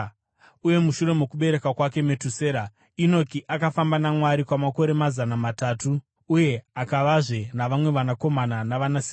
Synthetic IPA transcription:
uje̞muʃuɾe̞me̞kuɓe̞ɾe̞kakwake̞me̞tuse̞ːɾa | ino̞tiʔakafambanamwaɾikwamako̞ɾe̞mazanamatatuː | je̞akaʋaʐe̞naʋamwe̞ʋanako̞mananaʋanasi

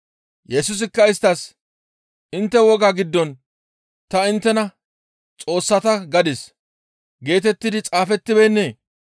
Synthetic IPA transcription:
jɛsʊs̬ɪkːɐɪst̪ːɐs | ʔɪnt̪ːɛwɔɡaɡɪd̪ːɔn | t̪ɐɪnt̪ːɛnɐ | t͡sʼo̞ːsːɐt̪ɐɡɐd̪ɪs | ɡe̞ːt̪̬ɛt̪ːɪd̪ɪt͡sʼaːfɛt̪ːɪbenːeː

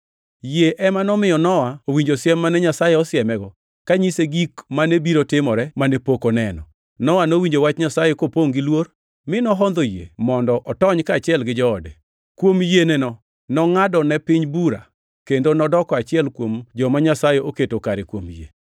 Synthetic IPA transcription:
jeʔɛmanɔmɪjɔnɔwaowiɲd͡ʒosɪɛmːanɛɲasajɛɔsɪɛmɛɡɔ | kaɲiseɡikmanebiɾotɪmɔɾɛmanepokonɛnɔ̰ | nɔwanowiɲd͡ʒowat͡ʃɲasajekopoŋɡɪlwor | mɪnɔɦɔnd̪ojḛmɔndɔʔɔtɔɲkat͡ʃɪɛlɡɪd͡ʒɔːdɛ | kwomjenɛnɔ | nɔŋadɔnɛpɪɲbuɾa̰ | kendonɔdɔkɔat͡ʃɪɛlkwomd͡ʒɔmaɲasajɛʔoketokaɾekwomjḛ

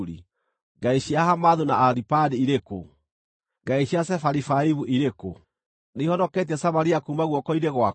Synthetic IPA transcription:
ɾḭ | ŋɡaiɕiahamaðunaːɾipadiiɾeko̰ | ŋɡaiɕiasɛfaɾifaiβuʔiɾeko̰ | nehɔnɔket̬ɛsamaɾiakuːmbaɣwɔkɔiɾeɣwa

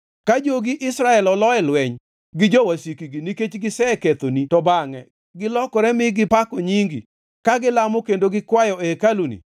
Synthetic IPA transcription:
kad͡ʒoɡɪʔɪsɾaɛlɔlɔɛlwɛɲ | ɡɪd͡ʒɔwasikiɡiniket͡ʃɡɪsɛket̪onitɔbaŋɛ | ɡɪlɔkɔɾɛmɪɡɪpakoɲiŋɡḭ | kaɡɪlamokendoɡɪkwajɔekalunḭ

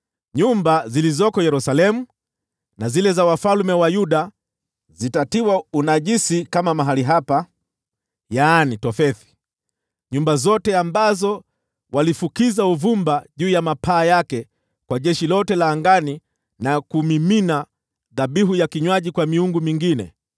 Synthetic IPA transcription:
ɲumbazilizɔkɔjɛɾusalɛmu | nazilɛzawafalmɛwajuɗa | zitatiwaunaʄisikamamaɦaliɦapa | jaːnitɔfɛθi̥ | ɲumbazɔtɛambazɔ | walifukizauvumbaʄuːjamapʰaːjakɛ | kwaʄɛʃilɔtɛlaːŋɡani | nakumimina | ðaɓiɦujakiɲwaʄikwamiuŋɡumiŋɡinɛ̰

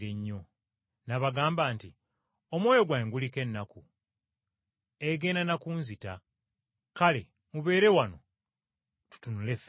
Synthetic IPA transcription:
ɾe̞ɲːo̞ | naβaɡaːmbaːnti | omwoːjo̞ɡwaeŋɡulike̞nːaku | eɡe̞ːndanakuːnzita | kale̞ | muβe̞ːɾe̞wano̞ | tu̥tunulef

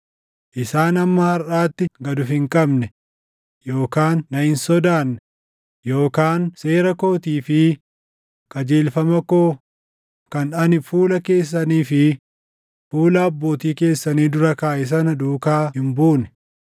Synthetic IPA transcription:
ʔɪsaːnɐmːɐhɐɾʔaːt̪ːɪɡɐd̪ʊfɪŋkʼɐbnɛ | jo̞ːkaːnːɐhɪnsɔd̪aːnːɛ | jo̞ːkaːnse̞ːɾɐko̞ːt̪iːfɪ | kɐd͡ʒeːlfɐmɐkoː | kɐnᶑɐnɪfuːlɐke̞ːs̬ːɐniːfɪ | fuːlɐːbːo̞ːt̪iːke̞ːsːɐniːd̪ʊɾɐkaːʔɪs̬ɐnɐd̪uːkaːhɪmbuːnɛ̥

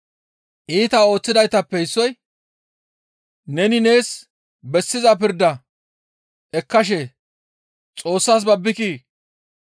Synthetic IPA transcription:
ʔiːt̪ɐo̞ːt͡sːɪd̪ɐjt̪ɐpːɛɪsːɔj | nɛnɪne̞ːs | bɛsːɪzɐpɪɾd̪ɐ | ʔɛkːɐʃ̬e | t͡sʼo̞ːsːaːs̬bɐbːɪkiː

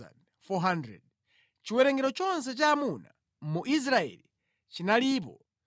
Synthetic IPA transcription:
a̰n | fɔɦandɾɛ̰d̚ | t͡ʃiwɛɾɛŋɡɛɾɔt͡ʃɔns̬ɛt͡ʃaːmuna | muʔis̬ɾaɛ̰li | t͡ʃinaliːp̬ɔ

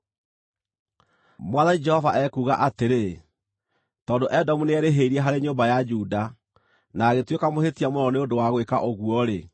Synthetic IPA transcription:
mwaðanid͡ʒɛhɔvaʔɛkuːɣaʔateɾe | tɔːndoʔɛdɔmuneɛɾeɦeiɾiɛɦaɾeɲoːmbajad͡ʒuda | naːɣetwekamohetiamonɔneondowaɣwekaʔoɣuɔɾe

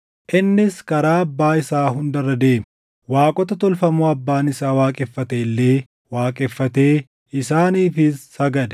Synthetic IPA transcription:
ʔɪnːɪskɐɾaːɐbːaːɪsaːɦʊnd̪ɐrːɐd̪e̞ːm | waːkʼɔt̪ɐt̪ɔlfɐmuːɐbːaːnɪsaːwaːkʼɛfːɐt̪elːe̞ː | waːkʼɛfːɐt̪eː | ɪsaːniːfɪsːɐɡɐd̪ɛ

